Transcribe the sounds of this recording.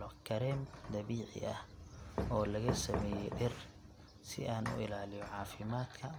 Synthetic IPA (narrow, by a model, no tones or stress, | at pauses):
ɔkʰɐɾɛːmd̪ɐβiːʕɪ̰ʔɐhʔɔːlɐɣɐsɐmɛːjɛʔɪr | sɪ̰ʔaːnʊ̰ʔɪlaːlɪjɔʕɑːfɪmaːd̪kʰɐ